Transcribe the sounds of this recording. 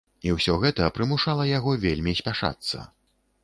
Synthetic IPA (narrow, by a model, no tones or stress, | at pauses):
iwsʲɔɣɛt̪ɐpɾɨmuʂalˠɐjaɣɔvʲelʲmʲisʲpʲaʂa̰t̪sːɐ̰